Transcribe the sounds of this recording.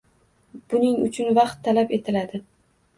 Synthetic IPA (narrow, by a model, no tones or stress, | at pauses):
b̥ʊnɪŋʊ̰t͡ʃʰʊnvɑqt̪ʰːalape̞t̪ʰɪlad̪ɪ